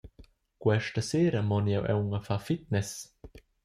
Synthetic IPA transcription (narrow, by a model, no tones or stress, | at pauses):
kwɛʃtəseːɾəmɔnjɛwʔɛ̰wŋəfafit̪̚nɛs